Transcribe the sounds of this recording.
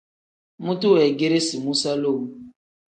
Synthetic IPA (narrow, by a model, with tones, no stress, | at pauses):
mu˦tu˦wɛ˨ɡe˦ɾe˦si˨mu˦sa˦lo˦˨m˦